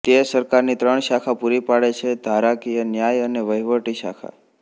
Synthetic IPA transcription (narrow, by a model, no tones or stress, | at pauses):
t̪esəɾkaɾnit̪ɾəɳʃakʰapuɾipaɽet͡ʃʰed̪ʱaɾakijənjajəneʋəjʋəʈiʃa̰kʰa̰